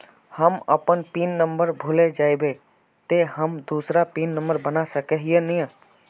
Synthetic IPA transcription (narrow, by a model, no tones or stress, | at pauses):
həmə̰pənpinːəmbəɾbʱuled͡ʒaːibe | t̪eɦəmd̪uːsɾapiːnːə̃mbəɾbənasəkeɦienijã